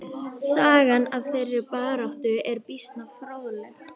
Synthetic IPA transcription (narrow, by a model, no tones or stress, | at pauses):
saːɣanavθejrːɪpaːɾawht̪ʏʔɛɾpist̪nafɾaːwðlɛx